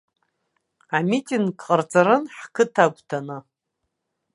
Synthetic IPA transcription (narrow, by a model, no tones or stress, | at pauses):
amitʼiŋɡqʼərt͡sʼaɾɨnħkʰɨtʰaɡʷtʰanɨ